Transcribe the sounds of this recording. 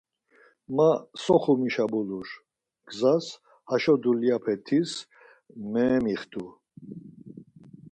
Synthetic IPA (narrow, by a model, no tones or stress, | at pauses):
masɔχumiʃabuluɾ | ɡ̥zas | haʃɔd̪uliapʰɛt̪ʰis | mɛːmiχd̪u